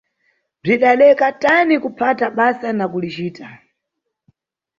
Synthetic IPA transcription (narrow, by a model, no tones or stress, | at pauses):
b͡ʐiɗalɛkatanikupʰataɓasanakulit͡ʃiːtʰa